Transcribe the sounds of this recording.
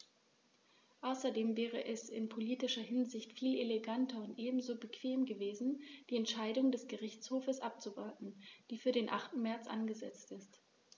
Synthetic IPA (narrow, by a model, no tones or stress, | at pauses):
ʔaʊsɐdeːmvɛːʁ̞əʔɛsɪ̰npʰoliːtɪʃɐhɪnzɪçtfiːleleɡantʰɐʊntʔeːbm̩zoːbəkv̥eːmɡəveːzn̩d̥iːɛntʃaɪdʊŋdɛsɡ̥əʁɪçt͡shoːfəsʔap̚t͡suvɔɐtn̩d̥iːfyːɐɾeːnʔa̰χtn̩mɛɐt͡sʔa̰nɡəzɛt͡stɪst